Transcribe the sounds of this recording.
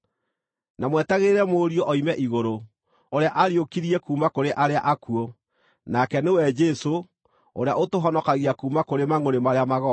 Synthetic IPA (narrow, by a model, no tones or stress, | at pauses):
namwɛtaɣeɾɛmoɾiɔʔɔimɛʔiɣoɾo | oɾeaʔaɾiokiɾiɛkuːmakoɾeʔaɾeaʔakuɔ | nakɛnewɛd͡ʒɛso | o̰ɾeaʔotoɦɔnɔkaɣiakuːmakoɾemaŋoɾemaɾeamaɣɔ